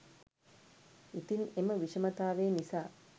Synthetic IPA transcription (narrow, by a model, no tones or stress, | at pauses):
it̪ineməʋiʂɐmɐt̪aːʋeːnisaː